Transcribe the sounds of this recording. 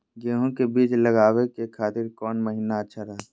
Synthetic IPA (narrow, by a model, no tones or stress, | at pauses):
ɡeːɦõkebiːt͡ʃləɡaːʋekekʰaːt̪ɪɾkɔːnməɦiːnaətːʃʰaɾɐɦa